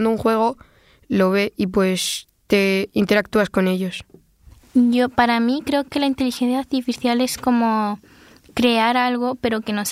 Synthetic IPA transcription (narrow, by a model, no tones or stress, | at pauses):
nd̪ouŋxwe̞ɣ̞o̞ | lo̞β̞e̞ip̬we̞s | t̪e̞int̪e̞ɾak̚t̪uasko̞ne̞ʎo̞s | ʝo̞paɾamikɾe̞o̞ke̞laint̪e̞lixe̞nθjaːɾt̪ifiθjale̞sko̞mo̞ | kɾe̞aɾalɣ̞o̞pe̞ɾo̞ke̞no̞s